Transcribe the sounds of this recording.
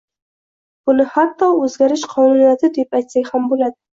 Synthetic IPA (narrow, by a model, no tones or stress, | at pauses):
b̥ʊnɪhat̪ːɒɵzɡʲaɾɪʃqʰɒnunijat̪ʰɪd̪epajt̪saɡʲhambolad̪ɪ